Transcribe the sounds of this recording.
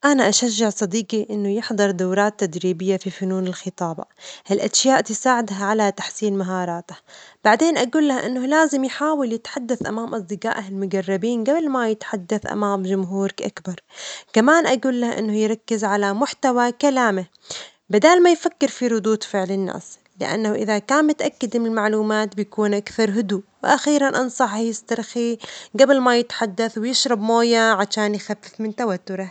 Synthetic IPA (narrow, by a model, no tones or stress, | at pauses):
ʔanaʔaʃaʒːaʕsˤɑd̪iːqiʔɪnːʊjɪħd̪ˤɨɾˤd̪awɾˤɑːt̪ːad̪ɾiːbɪjːafifʊnuːnɪlxɨt̪ˤɑːb̰halʔaʃjaːʔt̪ɪsaːʕɪd̪ɦaʕalat̪ḁħsiːnmaɦɑːɾˤɑːt̪ḁb̥aʕd̪eːnʔaɡuːlːahʔɪ̰nːʊlaːzɪmjħaːwɪljɪt̪ħad̪ːaθʔa̰maːmʔɑsˤd̪ɪqa̰ːʔaɪlmʊɡɑrˤːɑbiːnɡablmajɪt̪ħad̪ːaθʔa̰maːmd͡ʒʊmɦuːɾkʔakbɑɾˤkamaːnʔaɡuːlːahʔɪ̰nːʊjɾˤɑkːɪzʕalamʊħt̪awakalaːmɪ | bɪd̪aːlmajfakːɪɾfiɾˤʊd̪uːt̪ˤfɪʕlɪnːa̰ːs | lɪ̰ʔa̰nːauʔɪðakaːnmɪt̪ʔakːad̪mɪnɪlmaʕluːmaːt̪bɪjakuːnʔakθɑɾˤɦʊd̪uwɪʔaxiːɾanʔɑnsˤɑħjɪst̪ɑɾˤxiɡablmajɪt̪ħad̪ːaθwɪjɪʃɾɑbmoːjaʕaʃaːnjxafːɪfmɪnt̪awat̪ːʊɾɪ